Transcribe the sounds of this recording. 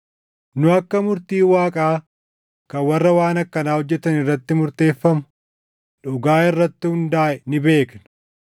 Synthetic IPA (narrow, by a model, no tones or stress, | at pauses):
nʊɐkːɐmʊɾt̪iːwaːkʼaː | kɐwɐrːɐwaːnɐkːɐnaːhɔd͡ʒːɛt̪ɐnɪrːɐt̪ːɪmʊɾt̪e̞ːfːɐmʊ | ᶑʊɡaːɪrːɐt̪ːɪhʊnd̪aːʔɛnɪbe̞ːknɐ̥